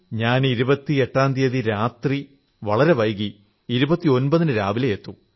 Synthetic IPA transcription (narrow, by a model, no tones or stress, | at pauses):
ɲaːniɾubɐt̪ːie̞ʈːaːnd̪ijɐðiɾaːt̪ri | ʋɐɭɐɾe̞ʋɐjɣiː | ɾubɐt̪ːio̞nbɐðinɨɾaːʋilejet̪ːu